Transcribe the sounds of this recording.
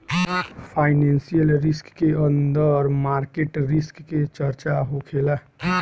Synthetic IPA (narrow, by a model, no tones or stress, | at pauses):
pʰaːɪnensijəlɾɪskːeənd̪əɾmaːɾkeʈɾɪskːet͡ʃəɾt͡ʃaɦokʰela